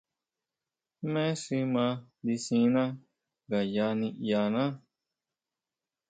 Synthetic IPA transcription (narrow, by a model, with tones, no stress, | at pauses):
mɛ̃˦si˧˦mã˧li˧sĩ˧˦nã˦ | ɡa˨ja˧nĩ˧ja˨˧nã˦